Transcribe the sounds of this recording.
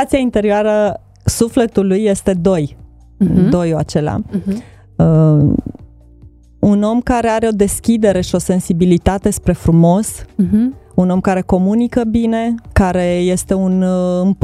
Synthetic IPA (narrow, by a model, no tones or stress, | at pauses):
at̪siaint̪e̞ɾioaɾə | sufle̞t̪ulujːe̞st̪e̞d̪o̞j | d̪o̞jua̰t͡ʃe̞lea̰ | ə | uno̞mkaɾe̞aɾe̞o̞d̪e̞skʲid̪e̞ɾe̞ʃio̞se̞nsibilit̪at̪e̞spɾe̞fɾumo̞s | uno̞mkaɾe̞ko̞munikəbine̞kaɾe̞je̞st̪e̞unɨmp